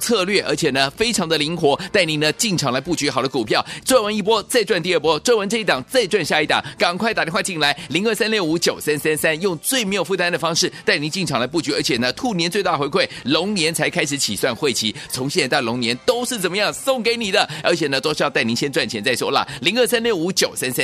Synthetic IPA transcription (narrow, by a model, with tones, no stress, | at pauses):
t͡sʰɤ˥˧lɥɛ˥˩ʔə̰˞˧˥t͡ɕʰjɛ˨˩nə˦fe˥ɪʈ͡ʂʰɑ˧˥ŋd̪ə˧li˧˥ŋxwɔ˧˥t̪a˥˩ɪni˧˥nə˧t͡ɕi˥˩ŋʈ͡ʂʰɑ˨˩ŋla˧˥ɪpu˥˩t͡ɕy˧˥xɑ˨˩ʊd̪ə˦ku˨˩pʰjɑ˥˩ʊt͡swnwə˧˥ni˥˩pwɔ˥t͡sa˥˧ɪʈ͡ʂwa˥˧nt̪i˥˧ə˥˩pwɔ˥t͡swa˥˧wə˧˥nʈ͡ʂɤ˥˧i˥˩t̪ɑ˨˩ŋt͡sa˥˧ɪʈ͡ʂwa˥˧nɕja˥˧i˥˩t̪ɑ̰˨˩ŋkɑ˨˩ŋkʰwa˥˩t̪a˨˩jɛ˥wa˥˧t͡ɕi˥˩nla˧˥ɪli˧˥ŋə˥˩sa˥nljo˥˩ʊu˧˥t͡ɕjo˨˩ʊsa˥nsa˥nsa˥njʊ˥˧ŋt͡swe˥˩ɪme˧˥ɪo˨˩fu˥˩t̪a˥nd̪ə˨˩fɑ˥ŋʂɻ̩˥˩t̪a˥˩ɪni˧˥ŋt͡ɕi˥˩ŋʈ͡ʂʰɑ˨˩ŋla˧˥ɪp̬u˥˩t͡ɕy˧˥ə˞˧˥t͡ɕʰjɛ˨˩nə˦t̪ʰu˥˩njɛ˧˥nt͡swe˥˧t̪a˥˩xwe˧˥ɪkʰwe˥˩ɪlʊ˧˥ŋnjɛ˧˥nt͡sʰa˧ɪkʰa˥ɪʂɻ̩˧˥t͡ɕʰi˨˩swa˥˧nxwe˥˩ɪt͡ɕʰi˧˥t͡sʰʊ˧˥ŋɕiɛ˥˩n˧˥t̪lʊ˧˥ŋnjɛ˧˥nt̪o˥ʊʂɻ̩˥˩t͡sə˨˩nmə˦jɑ˥˩ŋsʊ˥˩ŋke˧˥ɪni˨˩d̪ə˦ə˞˧˥t͡ɕʰjɛ˨˩nə˦˧t̪wɔ˥ʂ̩˥jɑ˥˧˥ni˧˥ɕjɛ˥nʈ͡ʂwa˥˩nt͡ɕʰɛ˧˥nt͡sa˥˩ɪswɔ̰˥la̰˨˩li˧˥ŋə˥˧˩sa˥nljo˥˩ʊu˧˥t͡ɕjo˨˩ʊsa˥nsa˥n